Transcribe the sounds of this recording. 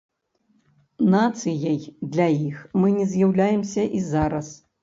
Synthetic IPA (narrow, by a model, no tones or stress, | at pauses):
nat̪sɨjɐjd̪lʲɐjixmɨnʲɛzʲjawlʲajɛmsʲɐʔizaɾɐs